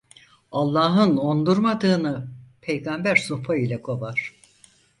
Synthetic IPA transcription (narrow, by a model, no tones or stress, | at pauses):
alˠːaːɦɯno̞nd̪uɾmad̪ɯːnɯpʰejɡambæɾsopʰailʲɛkʰo̞baɾ̥